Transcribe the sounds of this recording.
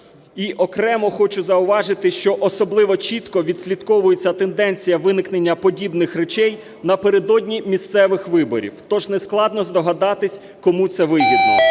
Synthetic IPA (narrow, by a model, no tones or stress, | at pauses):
iʔɔkɾɛmɔxɔt͡ʃʊzɐʊʋɑʒɪt̪ɪʃt͡ʃɔʔɔsɔblˠɪʋɔt͡ʃʲit̪kɔʋʲid̪sʲlʲit̪kɔʋʊjet͡sʲːɐt̪end̪ɛnʲt͡sʲijɐʋɪnɪkne̞nʲːɐpɔdʲibnɪxɾet͡ʃɛj | nɐpeɾed̪ɔdʲnʲimʲist̪sɛʋɪxʋɪbɔ̰ɾʲḭwt̪ɔʒnesklˠɑd̪nɔzd̪ɔɦɐd̪ɑt̪ɪsʲ | kɔmut̪sɛʋɪjʋʲid̪lˠɔ